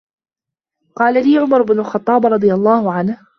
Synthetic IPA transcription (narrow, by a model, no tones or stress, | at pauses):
qɑːlaliːʕʊmɑɾˤʊbnʊlxɑt̪ˤːɑːbɾˤɑd̪ˤɨjɑlˤːɑːhʊʕanh